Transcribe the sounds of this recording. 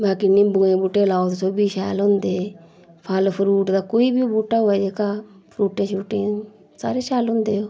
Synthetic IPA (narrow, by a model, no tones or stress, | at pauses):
baːkinĩːbũːẽːbuːʈelaːot̪soːbiːʃɛːlɦʊ̃nd̪eː | pʰalpʰʊɾuːʈd̪aːkoːiːbibuːʈaːʊɛːd͡ʒeːkaː | pʰɾuːʈẽʃuːʈɪ̃ | saːɾeːʃɛːlɦʊ̃nd̪eːoː